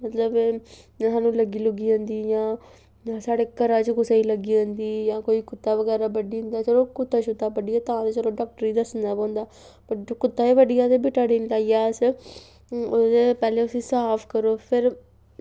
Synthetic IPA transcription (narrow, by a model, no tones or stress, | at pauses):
mət̪ləbː | saːnũːləɡiːlʊɡiːõnd̪iːjãː | ãːsaːɽeːkəɾãːt͡ʃkʊsaiːləɡiːõnd̪iːjãːkoːiːkʊt̪ːaːʋəɡɛːɾaːbəɖiːɦʊ̃nd̪aːt͡ʃəɾoːkʊt̪ːaːt͡ʃʊt̪ːaːbəɖijaːt̪ãːd̪et͡ʃəlõːɖaːk̚ʈəɾiːd̪əsnd̪aːpɔ̃ːnd̪aː | pəkʊt̪ːaːiːʋəɖijaːt̪ebɪʈaːɽiːnlaːijaːs | od̪eːpɛːleːʊsĩːsaːpʰkəɾoːpʰɪɾ